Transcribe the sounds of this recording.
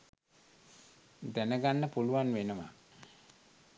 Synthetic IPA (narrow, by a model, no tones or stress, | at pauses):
d̪ænəɡanːəpuluʋanʋenəʋa̰